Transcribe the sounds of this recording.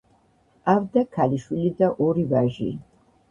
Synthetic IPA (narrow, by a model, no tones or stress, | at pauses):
avd̪akʰaliʃwilid̪aʔɔɾivaʒḭ